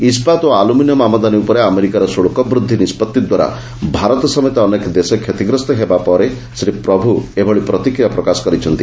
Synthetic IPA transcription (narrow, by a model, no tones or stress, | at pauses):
ispat̪oaluminjɔmamɔd̪aniupɔɾeameɾikaɾɔsoɭukɔbɾud̪ʱːinispɔt̪ːid̪waɾa̰ | bʱaɾɔt̪ɔsɔmɔt̪aɔnekd̪esɔkʰːet̪iɡɾɔst̪ɔɦebapɔɾe | sɾepɾɔbʱuebʱɔɭipɾɔt̪ikɾijapɾɔkasɔ̥kɔɾit͡ʃʰɔnt̪i